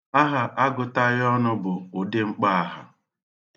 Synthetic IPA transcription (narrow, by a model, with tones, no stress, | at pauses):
a˦ɦa˨ʔa˦ɡʊ˨ta˦jɔ˦nʊ˦bʊ˨o˨de˦ŋ͡m̩˦k͡pa˦a˨ɦa̰˨